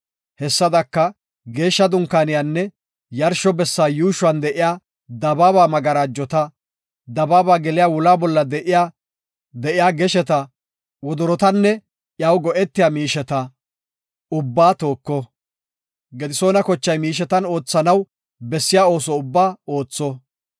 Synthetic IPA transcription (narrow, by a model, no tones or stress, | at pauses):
hɛsːɐd̪ɐkːɐ | ɡe̞ːʃːɐd̪ʊŋkːaːnɪjanːɛ | jɐɾʃɔbɛsːaːjuːʃʊwɐnd̪ɛʔɪjaː | d̪ɐbaːbaːmɐɡɐɾaːd͡ʒːɔt̪ɐ | d̪ɐbaːbaːɡɛlɪjaːwʊlaːbɔlːɐd̪ɛʔɪja | d̪ɛʔɪjaːɡɛʃɛt̪ɐ | wɔd̪ɔɾɔt̪ɐnːɛ | ʔjɐwɡɔʔɛt̪ːɪjaːmiːʃɛt̪ɐ | ʊbːaːt̪o̞ːkːɔ | ɡɛd̪ɪso̞ːnɐkɔt͡ʃːɐjmiːʃ̬ɛt̪ɐno̞ːt͡sːɐnɐw | bɛsːɪjaːo̞ːsɔʊbːaːo̞ːt͡sːɔ